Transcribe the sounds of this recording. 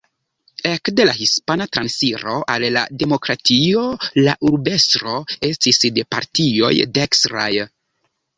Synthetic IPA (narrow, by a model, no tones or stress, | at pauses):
e̞kde̞laɦispanatɾansiɾo̞ʔalːa̰de̞mo̞kɾatio̞la̰ʔuɾbe̞stɾo̞e̞stisde̞pa̰ɾtio̞̰jdeksɾa̰j